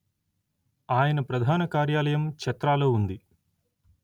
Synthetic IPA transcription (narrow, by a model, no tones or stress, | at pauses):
aːjɐnɐpɾɐd̪ʱaːnɐkaːɾjaːlɐjɐmkɐt̪ɾaːloːund̪i